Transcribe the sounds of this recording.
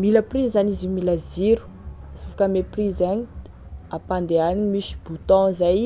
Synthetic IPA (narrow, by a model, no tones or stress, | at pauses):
miləprizanizimilaziɾu̥ | sufakəmeprizani | apand̪eaniɲimiʃi̥but̪ɔ̃zaj